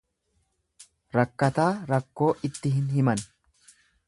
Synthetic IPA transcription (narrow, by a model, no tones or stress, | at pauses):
ɾɐkːɐt̪aːɾɐkːo̞ːʔɪt̪ːɪɦɪnhɪmɐn